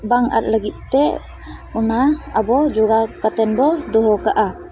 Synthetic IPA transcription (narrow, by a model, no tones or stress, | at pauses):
baŋa̰t̪̚laɡit̪̚t̪ɛ | unaabɔd͡ʒuɡakat̪ɛnbɔd̪ɔɦɔkaʔa